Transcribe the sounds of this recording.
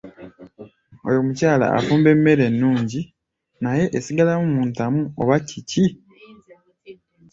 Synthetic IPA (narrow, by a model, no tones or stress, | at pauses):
o̞̰jo̞mucaːla̰ʔa̰fuːmbe̞mːe̞ɾe̞nːuːɲɟi | naje̞ʔesiɡalamumuːntamuo̰βacici